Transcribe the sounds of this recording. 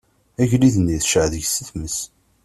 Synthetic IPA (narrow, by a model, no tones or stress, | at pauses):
æʝliðnːiθʃʕðəʝsəθməs